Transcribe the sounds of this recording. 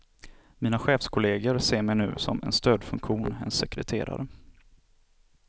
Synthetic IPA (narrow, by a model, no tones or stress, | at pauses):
miːnaɧeːfskʰʊleːɡəɾseːɾmɛjnʉ̟̰ːsɔmɛ̰nst̪øːd̪fɵ̰ŋkɧuːnɛnsɛkɾɛt̪ʰeːɾa̰ɾə